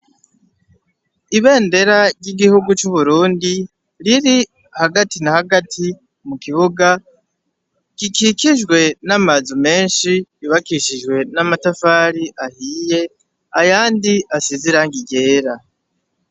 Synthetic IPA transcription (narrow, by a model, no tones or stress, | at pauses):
iβe̞ːnde̞ɾaɾɟiɡihuɡut͡ʃuβuɾuːndi | ɾiɾi | haɡatinahaɡatʰi | mukiβuɡa | ɡ̥ikikiʒɡwe̞namazume̞ːnʃiiβakiʃiʒwe̞namatafaɾiʔahiːje̞ | ajaːndiasiziɾaŋɡiɟe̞ːɾa